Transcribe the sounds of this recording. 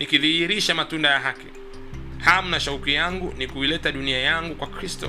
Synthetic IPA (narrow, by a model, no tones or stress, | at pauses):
nikiðihiɾiʃamatundajaɦaki̥ | ham̩naʃaukijaŋɡunikuilɛtaɗuniajaŋɡukwakɾistɔ̰